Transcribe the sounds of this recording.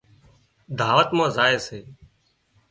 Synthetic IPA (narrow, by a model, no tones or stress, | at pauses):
d̪ʱaːʋət̪mãːzaːeːseː